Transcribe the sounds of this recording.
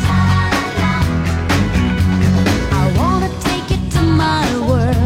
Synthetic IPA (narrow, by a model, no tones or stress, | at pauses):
aɪwɑ̃nɨtʰeɪkɨtʰɨmaɪwɜ˞